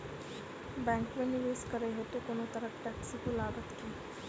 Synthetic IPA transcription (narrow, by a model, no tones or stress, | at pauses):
bɛ̃ŋkmẽnɪʋeːskəɾeɦet̪okonot̪əɾəʈɛksik̪olaːɡət̪kiː